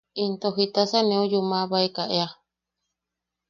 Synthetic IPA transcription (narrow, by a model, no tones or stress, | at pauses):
int̪oɦit̪asanẽujumaβaikaʔea